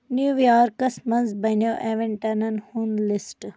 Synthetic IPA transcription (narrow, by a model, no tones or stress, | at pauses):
njuːjaːɾkɐsmɐnzbɐnoːʔeːʋeɳʈɐnɐnhunlɪsʈ